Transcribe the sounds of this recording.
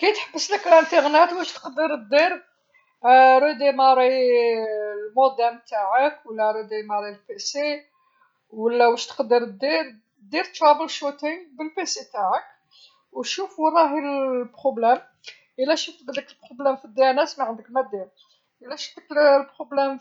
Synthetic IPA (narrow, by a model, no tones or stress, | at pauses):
kæjt̪ħəbːəsləklənt̪iɣnæt̪wæʃt̪ə̥qd̪əɾəd̪ːiɾ | ɾud̪imæɾˤi | lmod̪ænt̪aʕəkwəlːæɾˤud̪imæɾˤilpese | wəlːæwæʃt̪ə̥qd̪əɾəd̪ːiɾ | d̪iɾt̪ɾˤɑbəlʃut̪iŋbəlpeset̪aʕək | w̪ʃufɾˤɑɦilbɾoblæm | ʔəlːæʃəft̪bd̪əkəlbɾoblæmfid̪jænæsmaʕənd̪əkmæd̪iɾ | ʔəlːæʃəft̪əklbɾoblæm